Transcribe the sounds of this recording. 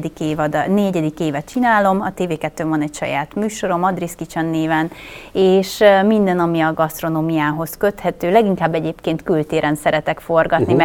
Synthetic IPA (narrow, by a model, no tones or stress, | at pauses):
d̪ikeːvd̪nɛɟɛd̪ikeːvɛt̪t͡ʃinaːlo̞mɒt̪eːveːkɛt̪ːøːvɒnɛcʃɒ̰ja̰ːt̪myːʃo̞ɾo̞mɒd̪riskit͡ʃɛnːeːvɛneːʃmind̪ɛnɒmiɒɡɒst̪ro̞noːmijaːɦo̞skø̞t̪hɛt̪øːlɛɡiŋkaːbːɛɟeːpkeːnt̪kylt̪eːɾɛnsɛɾɛt̪ɛkfo̞rɡɒt̪nim